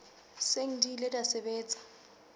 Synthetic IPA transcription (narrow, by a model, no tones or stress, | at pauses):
seŋ̩dilɪdasebeːt͡sʼḁ